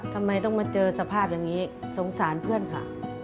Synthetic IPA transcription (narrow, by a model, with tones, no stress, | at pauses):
t̪ʰa˧mːa˧˩jt̪ɔ˥˩ŋmaː˧˥t͡ɕɤː˧sa˧pʰaː˥˩p̚jaː˧ŋːiː˦˥so˩˦ŋsaː˩˦npʰɯ˥˩ənkʰa˧˩